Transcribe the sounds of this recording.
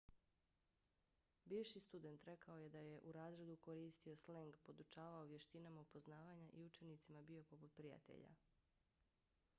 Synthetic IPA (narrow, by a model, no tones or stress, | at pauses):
biːʋʃist̪ud̪e̞nt̪ɾe̞kao̞je̞d̪aje̞ʔuɾaːzɾe̞d̪uko̞ɾiːst̪io̞sleŋɡpo̞d̪ut͡ʃaːʋaoʋje̞ʃt̪inamaupo̞znaːʋaɲaʔiut͡ʃe̞nit̪simabio̞po̞put̪̚pɾija̰t̪ḛʎa̰